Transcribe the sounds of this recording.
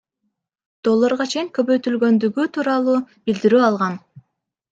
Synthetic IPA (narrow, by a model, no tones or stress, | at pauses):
d̪̥o̞lˠːoɾʁɑt͡ʃʰe̞jiŋkø̞βø̞jt̪ylɡø̞nd̪yɡyt̪ʰuːɾɑlˠuːbild̪iɾyːɑlˠʁɑn